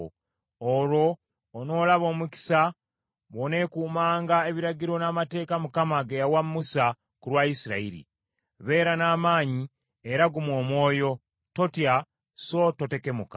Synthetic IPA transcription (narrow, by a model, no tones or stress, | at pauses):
oɾo̞ː | no̞ːlaβo̞ːmuki̥sa | βo̞ne̞kuːmaːŋɡae̞βiɾaɟiɾo̞namate̞ːkamukamaɡejawamːusa | kulwaisiɾa̰iɾḭ | βe̞ːɾanaːmaːɲi | eɾaɡumwo̞ːmwo̞ːjo̞ | to̞tja | so̞to̞te̞ke̞muka